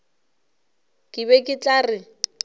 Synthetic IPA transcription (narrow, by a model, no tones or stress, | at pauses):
kʼɪbɛkʼɪt͡ɬʼarɪ